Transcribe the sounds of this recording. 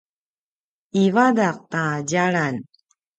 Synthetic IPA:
ivadaq̚taɟaɭan

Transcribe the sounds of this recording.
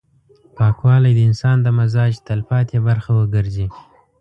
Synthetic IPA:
pɑkwɑlajd̪əɪnsɑnd̪əmazɑd͡ʒt̪alpɑt̪jebaɾxawəɡəɾzi

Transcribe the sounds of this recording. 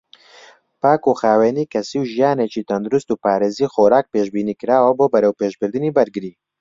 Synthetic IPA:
paːkuːxaːweːniːkʰɐsiːwʒijaːnet͡ʃiːt̪ʰɐnd̪uɾust̪uːpaːɾeːziːxoːɾaːk̚peːʃbiːniːkɨɾaːwɐboːbɐɾɛwpeːʃbɨɾd̪ɨniːbɐɾɡɨɾiː

